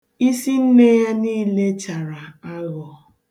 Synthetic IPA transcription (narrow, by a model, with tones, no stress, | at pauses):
i˦si˦n̩˦ne˦ja˦niː˦le˦t͡ʃa˨ɾa˨a˦lɔ˨